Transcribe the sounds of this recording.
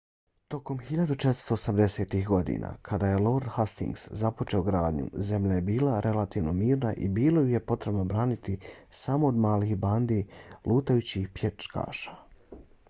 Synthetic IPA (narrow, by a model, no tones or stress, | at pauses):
t̪o̞ko̞mxiʎad̪ut͡ʃet̪ɾ̥st̪oːsamd̪e̞se̞ːt̪ixɡo̞d̪ḭna̰kʰad̪aːje̞lo̞ɾd̪hast̪ḭŋɡszapo̞t͡ʃeoɡɾaːd̪ɲṵze̞mʎaje̞biːlˠaɾʔe̞lat̪iːʋno̞miːɾnaʔḭbiːlˠojuje̞po̞t̪ɾe̞bno̞bɾaːnit̪isamo̞ːd̪maːlixband̪ilʔuːt̪ajut͡ɕihpjet͡ʃka̰ːʃḁ